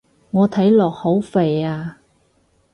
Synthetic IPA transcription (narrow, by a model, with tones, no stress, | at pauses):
ŋɔː˨˧t̪ʰɐ˨˥jlɔː˨˩k̚ho˨˥wfe˨jaː˧